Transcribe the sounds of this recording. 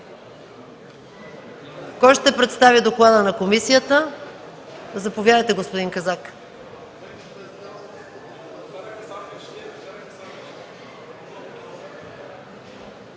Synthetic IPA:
kɔjʃt̪ɛpɾɛt̪st̪avid̪oklˠad̪ənɐkomisijət̪ə | zɐpovʲjadəjt̪ɛɡospʊd̪iŋkɐzak

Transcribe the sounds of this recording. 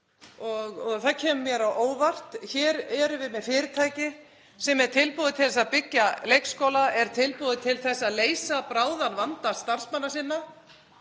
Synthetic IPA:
ɔɣɔɣθacʰɛːmʏmjɛɾawʔoːwvar̥t̪çɛːɾɛɾʏvɪmɛðfɪːɾɪt̪ʰaːjcɪ | sɛmɛɾ̥t̪ʰɪlpoːðɪt̪ʰɪlθɛsapɪcːalejkskoːwlaɛɾ̥t̪ʰɪlpoːðɪt̪ʰɪlθɛsːaðleːjsapɾaːwðanvant̪ast̪ar̥smanːasɪnːa

